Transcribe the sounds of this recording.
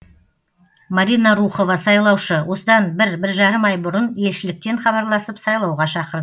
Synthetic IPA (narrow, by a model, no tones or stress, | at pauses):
maɾijnɑɾuχo̞vɑsɑjlˠɑwʃəwʔo̞səd̪ɑnbɪɾbɪɾʒɑɾəmɑjbʊɾəne̞lʃɪlɪk̚t̪e̞ɴχɑβɑɾlˠɑsəpsɑjlˠɑwʁɑʃɑqəɾd̪ə